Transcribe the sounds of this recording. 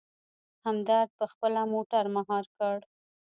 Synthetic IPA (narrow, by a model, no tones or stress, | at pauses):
hamd̪aɾd̪̚pəxpəlamoʈaɾmaɦɑɾkəɽ